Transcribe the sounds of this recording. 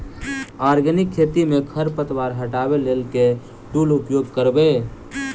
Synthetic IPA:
aːɾɡənɪkʰːeːt̪imẽkʰəɾpət̪waːɾɦəʈaːbeleːlke | ʈuːlʊpjoːɡkəɾbe

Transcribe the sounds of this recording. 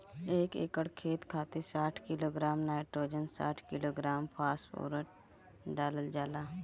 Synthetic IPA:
eːkḛkəɽkʰeːt̪kʰaːt̪esaːʈʰkɪloːɡɾaːmnaːɪʈɾoːd͡ʒənsa̰ːʈʰkɪloːɡɾaːmpʰaːspo̰ːɾəʈ | ɖaːləld͡ʒaːlaː

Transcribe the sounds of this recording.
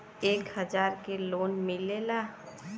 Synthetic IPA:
eːkhəd͡ʒaːɾkeloːnmɪlelaː

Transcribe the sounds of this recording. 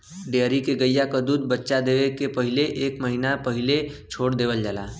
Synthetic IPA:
ɖeːɾikeɡəjːakad̪uːd̪̚bətːʃad̪eːʋekepəɦɪleʔeːkməɦinapəɦɪlet͡ʃʰoːɽd̪eːʋəld͡ʒala̰ː

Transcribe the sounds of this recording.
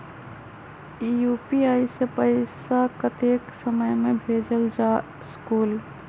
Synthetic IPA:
iːjuːpiaːisepəɪsakɐt̪eːksəməjmẽbʱeːd͡ʒəld͡ʒaː | skuːl

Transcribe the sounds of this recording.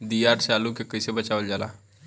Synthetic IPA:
d̪ijaːɾt͡ʃaːlukekəsebət͡ʃaːʋəld͡ʒaːla̰ː

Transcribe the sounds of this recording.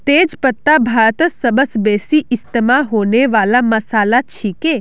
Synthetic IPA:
t̪eːd͡ʒpət̪ːabʱaːɾt̪əsəbəsbeːsiʔɪst̪əmaɦoːneʋaːlaməsaːlat͡ʃʰike

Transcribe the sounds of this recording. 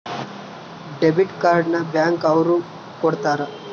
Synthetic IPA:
ɖebiʈkaɾɖnabjaŋkawɾu | kɔɽt̪aːɾa

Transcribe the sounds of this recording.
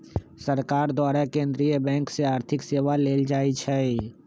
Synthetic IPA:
səɾkaːɾd̪waːɾakẽːnd̪ɾijəbɛ̃ːŋkseaːɾt̪ʰɪkseːʋaleːld͡ʒaːit͡ʃʰɛ

